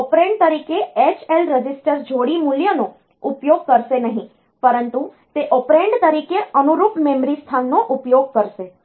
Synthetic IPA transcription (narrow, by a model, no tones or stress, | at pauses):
ɔpɾẽɳɖ̚t̪əɾikeet͡ʃelɾəd͡ʒisʈəɾd͡ʒʱoɽimuljəno | upjoɡ̚kəɾʃenəɦĩ | pəɾənt̪u | t̪eʔopɾeɳɖt̪əɾikeənuɾupmemɾist̪ʰanːoʔupjoɡ̚kəɾʃe